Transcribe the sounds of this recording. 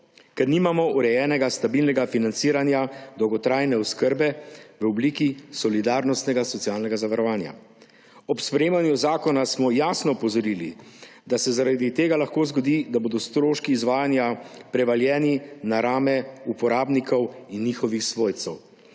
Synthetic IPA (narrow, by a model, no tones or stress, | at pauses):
kɛɾniːmamɔuɾɛjɛːnɛɡast̪abilnɛɡafinant̪siːɾanjad̪ɔwɡɔt̪ɾaːjnɛɔskəɾbɛʋəɔbliːkisɔlid̪aːɾnɔst̪nɛɡasɔt̪siaːlnɛɡazaʋaɾɔʋaːnja̰ | ɔpspɾɛjeːmanjuzaːkɔnasmɔjaːsnɔɔpɔzɔɾili | d̪asɛzaɾad̪it̪eːɡalaxkoːzɡɔd̪id̪aboːd̪ɔst̪ɾoːʃkiːzʋaːjanjapɾɛʋaljɛːninaɾaːmɛupɔɾaːbnikʰɔwinːixɔʋixsʋoːjt̪sɛw